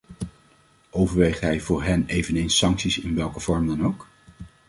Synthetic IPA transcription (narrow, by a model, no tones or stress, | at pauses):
ʔowvəɹʋejχtɦɛjvʊːɹɦɛnejvənejnsːɑŋksisɪnʋɛlˠkəv̥ɔɹmdɑnowk